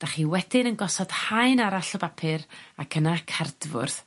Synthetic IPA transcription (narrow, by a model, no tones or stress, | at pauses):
d̥aχiwɛd̥ɪnənɡɔsɔd̥haɨnaɾaɬɔbapʰɨɾakʰənakʰard̥vʊ̰rθ